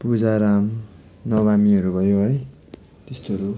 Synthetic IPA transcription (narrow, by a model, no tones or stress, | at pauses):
pud͡zaɾam | nʌbamiʌɾubʱʌjoɦʌj | t̪est̪oʌɾu